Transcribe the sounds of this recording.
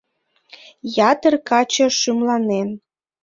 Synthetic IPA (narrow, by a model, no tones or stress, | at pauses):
jɑt̪ərkɑt͡ɕoʃymlɑnen